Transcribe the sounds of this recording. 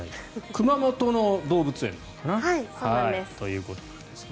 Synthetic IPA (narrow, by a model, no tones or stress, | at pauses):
ikɯ̟mamo̞t̪o̞no̞d̪o̞ːbɯ̟t͡sɨẽ̞̰nakanaaisaiest̪o̞jɯ̟ːko̞t̪od̪̥esɨ̥n